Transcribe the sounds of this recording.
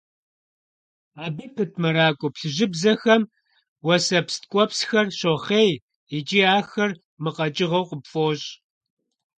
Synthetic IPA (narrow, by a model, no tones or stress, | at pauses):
aːbɨpʰɨtʰmɐɾaːkʷʼʊpɬɨʑɪbzɐxɐm | wɐsɐpst̚kʷʼɔpsxɐrɕoχeːj | it͡ʃʼiːaːxɐr | mɨqɐt͡ʃʼɪʁɐwqʷʼəpfʼoːɕʼ